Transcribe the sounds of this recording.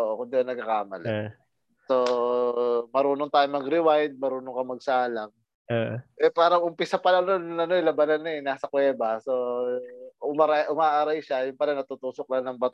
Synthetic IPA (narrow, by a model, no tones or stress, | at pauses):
ʔoːʔokʊnd̪ɪonɐɡ̚kɐkaːmɐ̰la̰ | so | mɐɾuːnoŋt̪aːjʊŋmɐɡɾɪwajd̪̚mɐɾuːnoŋkɐmɐɡ̚saːlaŋ | oʔɛpaːɾɐŋʔʊmpɪsapɐlɐnonɐno̞ɪlɐbɐnanːɐɛnaːsɐkwɛːbɐso | ʔʊmaɾajʔʊmaːʔaɾajʃajʊŋpɐnɐnɐt̪ut̪uːsok̚laŋnɐŋbɐt̪